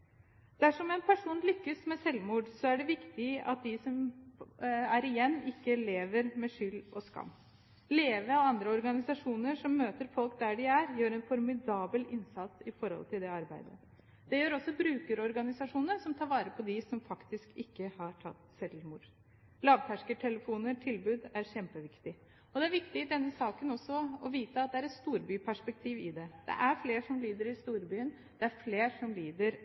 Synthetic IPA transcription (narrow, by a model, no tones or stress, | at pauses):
d̪̥ɛæʂɔmɛnpʰæʂuːnlʏkːəsmɛsɛlmuːɖsɔæɖɛʋɪkt̪ɪɑ̰t̪̚d̪ɪsɔm | æɾɪjɛnːɪkːəleːʋəɾmɛʂʏlːɔskɑ̰mː | leːʋəɔɑnd̪ɾəɔɾɡɑnɪsɑʂuːnəʂɔmːøːt̪əɾfɔlˠk̚d̪æɖɪæɾjøːɾɛnfɔɾmɪd̪ɑːbəlɪnsɑt̪sɪfɔɾhɔ̰lt̪ʰɪld̪ɛɑɾbæɪd̪ə̰ | d̪̥ɛjøːɾɔsːɔbɾʉːkəɾɔɾɡɑnɪsɑʂuːnəɾsɔmt̪ʰɑːɾʋɑːɾəpʰɔd̪ɪsɔmfɑkt̪ɪskɪkːəhɑʈʰɑt̪ːsɛlmuːɾ | lɑːʋt̪ʰæʂkəʈʰɛləfuːnəʈʰɪlbʉːd̪æɾɕɛmpəʋɪkt̪ɪ | ɔd̪ɛæɾʋɪkt̪ɪɪd̪ɛnːəsɑːkənɔsːɔɔʋiːt̪əɑt̪̚d̪ɛæɾɛt̪st̪uːɾbyːpʰæʂpɛk̚t̪ʰiːʋɪd̪ɛd̪̥ɛ̰ʔæɾfleːɾʂɔmliːd̪əɾɪst̪uːɾbyːən | d̪̥ɛæɾfleːɾʂɔmliːd̪əɾ